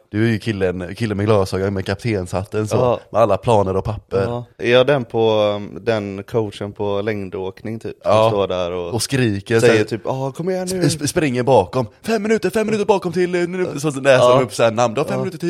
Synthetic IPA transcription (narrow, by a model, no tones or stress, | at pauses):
d̪̥ɵæɾjɵkʰɪlːənkʰɪlːənmɛɡlɑːsɑːɡamɛkʰap̚t̪ʰeːnsat̪ːənso̰ːmʔɛalːapʰlɑːnəɾɔpʰapːəɾæɾjɑd̪ɛnpʰɔd̪ɛnkʰoʊtʂənpʰɔlɛŋd̪oːknɪŋt̪ʰy̰ːpːst̪oːɖæɾɔɔskɾiːkəɾsɛjːət̪ʰyːpɑːkʰɔmːɛnspɾɪŋːəɾbɑːkɔmfɛmːɪnʉ̟ːt̪əɾfɛmːɪnʉ̟t̪əbɑːkɔmt̪ʰɪlːnsɔlɛːsəɾmɵpːsaæɳamnd̪ɵhafɛmːnʉːt̪əʈʰiː